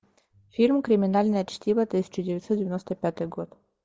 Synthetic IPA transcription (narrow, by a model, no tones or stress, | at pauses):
fʲilʲmkɾʲɪmʲɪnalʲnəjəɐt͡ɕt̪ʲibət̪ɨsʲɪ̥t͡ɕɪdʲɪɐt̪sɔt̪dʲɪvʲɪnost̪əpʲat̪ɨjɡot̪